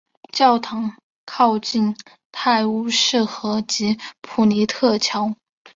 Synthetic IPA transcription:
t͡ɕjɑ˥˩ʊt̪ʰɑ˧˥ŋ | kʰɑ˥˧ʊt͡ɕi˥˧n | t̪ʰa˥˩ɪu˥˧ʂɻ̩˥˩xɤ˧˥t͡ɕi˧˥pʰu˨˩ni˧˥t̪ʰɤ˥˩t͡ɕʰjɑ˧˥ʊ

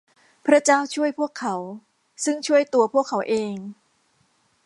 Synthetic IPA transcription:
pʰɾa˦˥t͡ɕaː˥˩wt͡ɕʰu˥˩əjpʰu˥˩əkʰːa˩˦w | sɯ˥˩ŋt͡ɕʰu˥˩əjt̪u˧ɐpʰu˥˩əkʰːa˩˦wʔeː˧ŋ

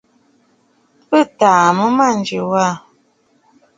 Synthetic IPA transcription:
pə˦˨taː˨mə˦ma˦˨n˨d͡ʒə˨wa˦˨

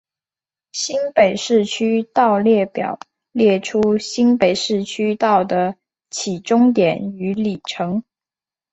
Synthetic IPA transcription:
ɕi˥npe˨˩ɪʂɻ̩˥˩t͡ɕʰy˥t̪ɑ˥˧ʊljɛ˥˩pjɑ̰˨˩˦ʊ | ljɛ˥˩ʈ͡ʂʰu˥ɕi˥npe˨˩ɪʂɻ̩˥˩t͡ɕʰy˥t̪ɑ˥˩ʊd̪ə˩ | t͡ɕʰi˨˩ʈ͡ʂʊ˥ŋt̪jɛ˨˩˦ny˧˥li˨˩ʈ͡ʂʰɤ˧˥ŋ

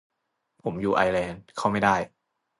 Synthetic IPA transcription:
pʰo˩˦mjuː˨˩ʔaː˧jlɛː˧nkʰa˥˩wma˥˩jda˥˩j

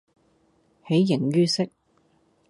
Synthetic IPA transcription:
he˨˥jːɪ˨˩ŋɥyː˥sɪ˥k̚

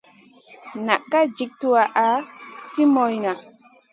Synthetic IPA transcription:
na˨kːa˦d͡ʒi˨k̚tu˦wa˨ʔa˨˦fi˦mo˨jna˨

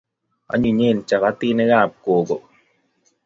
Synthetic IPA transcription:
a̰˨˦ɲu˨ɲe˦˨nt͡ʃa˨βa˦t̪i˦nɛ˦ɣaː˦˨p̚koː˨ɡo˨

